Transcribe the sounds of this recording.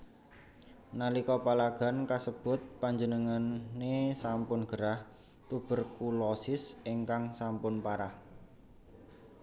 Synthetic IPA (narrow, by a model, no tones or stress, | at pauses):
nalikɔpalaɡ̥a̤nkasəb̥ʊ̤t̪̚paɲd͡ʒənəŋanːesampʊnɡ̥əɾah | t̪ub̥ə̤rkulɔsɪsiŋkaŋsampʊnpaɾah